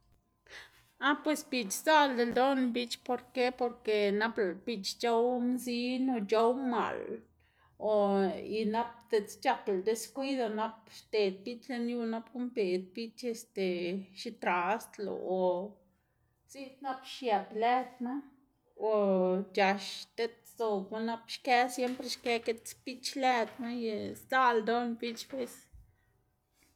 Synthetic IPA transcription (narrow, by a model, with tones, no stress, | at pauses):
a˦pwe˧sbi˧˨t͡ʃsa˦ld̪e˧ld̪o˦nbi˧t͡ʃpo˧ɾke˦po˧ɾke˧na˦pb̥i˧t͡ʃt͡ʃo˦wmzi˦no˧t͡ʃo˦wma̰˨l | o˨i˧na˦p̚d̪̥e˧˨t͡st͡ʃa˦˧kld̪e˧skʷi˦d̪o˧na˦pʃt̪e˨d̪̚bi˦t͡ʃle˧nju˧na˦pku˦mpe˨d̪̚bi˦t͡ʃe˧st̪e˨ʃi˧t̪ɾa˨st̪lo̰˧o˨ | si˦t̪na˦pʃja˨ple˦d̪ma˦ | o˨t͡ʃa˨ʃt̪e˦t̪so˧˨u˧na˦pʃkɛ˦sje˦mpɾe˧ʃke˦ke˧t̪pi˦t͡ʃlɛ˦˧d̪ma˦je˧sd̪a˦ld̪o˦npi˦t͡ʃbe˦s